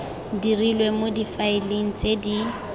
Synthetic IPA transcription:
dirilwemodifaɪleŋ̩t͡sʼedi

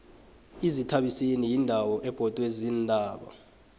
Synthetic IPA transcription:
izitʰaɓisinijindʱawɔʔɛb̥ʱɔd̥ʱʼwezindʱaːɓɔ̰

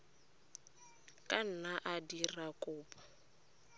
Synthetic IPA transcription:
kʼan̩naʔadirakʼʊːpḁ

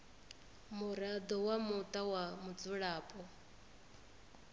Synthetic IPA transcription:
muɾad̪ɔwamut̪ʼawamud͡zuɺaːpʼɔ

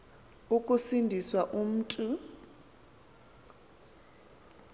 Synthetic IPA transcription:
ukʼusindʱiswaʔum̩ːtʼu

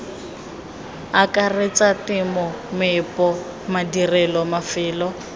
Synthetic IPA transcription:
akʼaret͡sʼatʼɪmʊ | mɪpʼɔ | madirɛlɔmafɪːlɔ

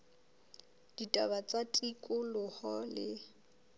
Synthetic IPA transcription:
d̥itʼabat͡sʼatʼikʼʊlʊhɔlɪ

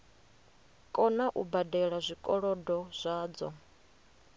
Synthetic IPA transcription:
kʼɔnaʔubadɛɺazʷikʼɔɺɔdɔz̥ʷaːd͡zɔ̰

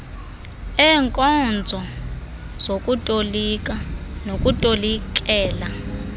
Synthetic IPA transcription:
ɛŋkʼɔnd͡zʱɔ | z̥ok̬ʼutʼolikanok̬ʼutʼolik̬ʼɛːla

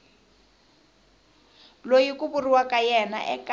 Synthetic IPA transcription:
lojikuburiwakʼajɛna̰ʔɛkʼa

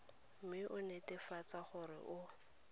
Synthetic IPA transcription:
m̩mɪʔʊnetɪfat͡saχʊɾɪ̰ʔʊ

